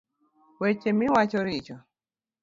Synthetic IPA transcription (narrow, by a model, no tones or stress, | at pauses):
wɛt͡ʃɛmiwat͡ʃɔɾit͡ʃɔ